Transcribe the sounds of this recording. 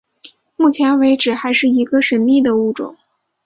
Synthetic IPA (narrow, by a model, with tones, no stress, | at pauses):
mu˥˩t͡ɕʰjɛ˧˥nwe˧˥ɪʈ͡ʂɻ̩˨˩xa˧˥ɪʂɻ̩˥˩i˧˥ɡə˧ʂə˧˥nmi˥˩d̪ə˩u˥˩ʈ͡ʂʊ̰˨˩˦ŋ